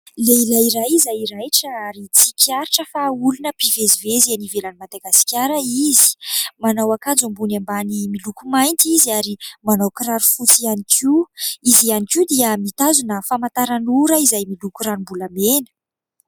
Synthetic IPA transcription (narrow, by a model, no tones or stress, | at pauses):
leilaiɾajizajiɾajʈ͡ʂəaɾit͡sikʰaɾiʈ͡ʂəfaulunəpivezivezianivelanimad̪aɡasi̥kʲjaɾəizi̥manawakand͡zambunambanimilukumajnt̪iziaɾimanawkraɾufut͡sianikʰuizianikud̪iəmit̪azunəfamant̪aɾanuɾəizajmilukuɾanimbulamenə̥